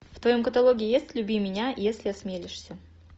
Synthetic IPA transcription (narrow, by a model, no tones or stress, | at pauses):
ft̪vɐjo̞mkət̪ɐlˠo̞ɡʲɪjɪjesʲtʲlʲʊbʲijmʲɪnʲajesʲlʲɪɐsmʲelʲɪʂsʲə